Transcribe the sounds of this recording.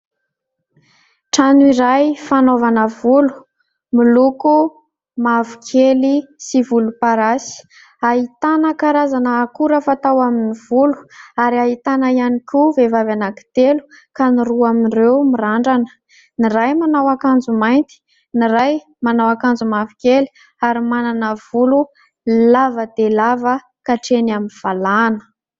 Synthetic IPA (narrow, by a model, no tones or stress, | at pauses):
ʈ͡ʂanuiɾajfanovanəvulu̥ | miluku | mavukʰelisivulupaɾasi̥ | aɦit̪anəkaɾazanəːkuɾəfat̪awaminiv̥ulu̥aɾiaɦit̪anəianikʲuvevavanaki̥t̪elu̥ | kaniɾuaminrewmiraɳɖ͡ʐanə̥ | nirajmanawakand͡zumajnt̪i̥ | niɾaj | manawakand͡zumavikeli | aɾimananəv̥ulu | lavəd̪elavə | kaʈ͡ʂenaminv̥alanə̥